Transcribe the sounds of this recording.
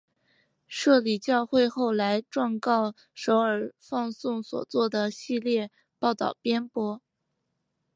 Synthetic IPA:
ʂɤ˥˩li˨˩t͡ɕjɑ˥˧ʊxwe˥˧ɪxo˥˩ʊla˧˥ɪʈ͡ʂwɑ˥˧ŋkɑ˥˩ʊ | ʂo˧˥ʊə˞˨˩fɑ˥˧ŋsʊ˥˩ŋswɔ̰˨˩t͡swɔ˥˩d̪ə˩ɕi˥˧ljɛ˥˧ | pɑ˥˩ʊt̪ɑ̰˥˩ʊpjɛ˥npwɔ˥

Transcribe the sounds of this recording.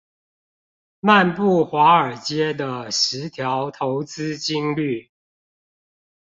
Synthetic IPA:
ma˥˨npu˥˩xwa˨˧˥ə˞˨˩t͡ɕjɛ˥d̪ə˨ʂɻ̩˨˦t̪ʰjɑ˨˦ʊt̪ʰo˨˦ʊt͡sɹ̩˥˦t͡ɕi˦ŋly˥˨

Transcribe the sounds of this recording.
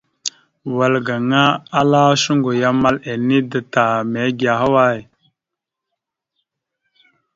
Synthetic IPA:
wa˨lɡa˨ŋa˦a˦la˦ʃu˦ŋɡo˨ja˦ma˦le˨ni˦də˨ta˨me˨˦ɡi˨a˨ɦa˦wa˦˨j

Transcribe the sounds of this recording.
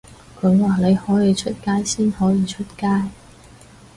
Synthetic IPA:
kʰɵ˨˧˥ɥwaː˨ne˨˧jhɔː˨˥jiː˨˧t͡ʃʰɵ˥t̚kaː˥jsiː˥nhɔː˨˥jiː˨˧t͡ʃʰɵ˥t̚kaː˥j

